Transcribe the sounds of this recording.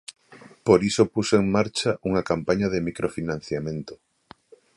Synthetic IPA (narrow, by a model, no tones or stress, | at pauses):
poɾisopuseŋmaɾt͡ʃaʔuŋakampaɲaðemikɾʔofinãn̟θjamẽnt̪o̥